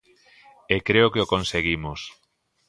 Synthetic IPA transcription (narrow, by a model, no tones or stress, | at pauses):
ekɾeʊkeokonseɣimʊs